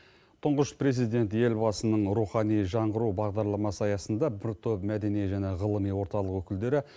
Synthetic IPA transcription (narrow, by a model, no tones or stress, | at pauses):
t̪ʰʊɴʁəʃpɾe̞zijd̪e̞nt̪je̞lbɑsənəɴɾuχɑnijʒɑɴʁəɾubɑʁd̪ɑɾlˠɑmɑsəɑjɑsənd̪ɑbɪɾt̪ʰøpmæd̪e̞nijʒæne̞ʁəlˠəmijwo̞ɾt̪ɑlˠəqwɵkʲɪld̪e̞ɾɪ